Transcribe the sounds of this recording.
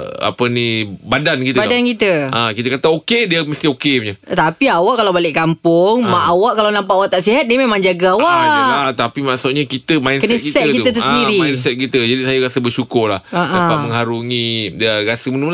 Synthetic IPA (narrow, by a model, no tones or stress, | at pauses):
a̰pənibadankit̪badankit̪əakit̪əkat̪aokediaməst̪iokeɲat̪apiawaʔkalawbalɪʔkampʊŋmaʔawaʔkalawnampaʔawaʔt̪aʔsiɦat̪̚diəmemãŋd͡ʒaɡaawaat̪apimasoʔ̚ɲakit̪əmainkənəkisɛt̪̚tkiuət̪uədiɾimnsɛt̪̚kit̪əd͡ʒadisajaɾasəbərʃukʊrlahaʔapaʔməŋɦaɾuŋĩdiaɾasəmənəml